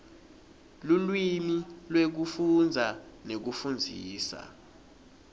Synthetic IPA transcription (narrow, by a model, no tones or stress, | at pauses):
lulwimilwek̬ufund͡zʱanek̬ufund͡zʱiːsa̰